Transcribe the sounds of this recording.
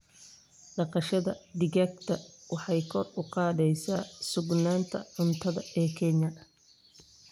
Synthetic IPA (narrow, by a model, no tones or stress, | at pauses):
ɖɑqɑʃɐðɐɖɪɣaːk̚t̪ʰɐwɑħɑjkʰɔrʊqɑːðɛjsaːsʊɡnaːnt̪ʰɐ̰ʕʊnt̪ʰɐðɐɛːkʰɛnjɐ